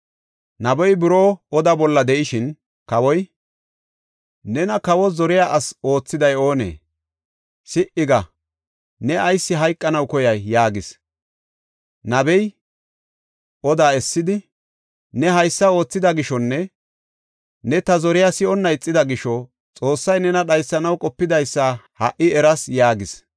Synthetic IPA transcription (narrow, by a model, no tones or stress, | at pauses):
nɐbɔjbɪɾoːɔd̪abɔlːɐd̪ɛʔɪʃɪn | kɐwɔj | nɛnɐkɐwɔzɔɾɪjaʔɐso̞ːt͡sːɪd̪ɐjo̞ːnḛː | sɪʔɪɡɐ | nɛʔɐjsːɪɦɐjkʼːɐnɐwkɔjɐjːaːɡɪs | nɐbɛj | ʔɔd̪aːɛsːɪd̪ɪ | nɛɦɐjsːɐo̞ːt͡sːɪd̪ɐɡɪʃɔnːɛ | nɛt̪ɐzɔɾɪjasɪɔnːɐɪt͡sʼːɪd̪ɐɡɪʃɔ | t͡sʼo̞ːsːɐjnɛnɐɗɐjsːɐnɐwkʼɔpːɪd̪ɐjsːahɐʔɪɛɾɐsjaːɡɪs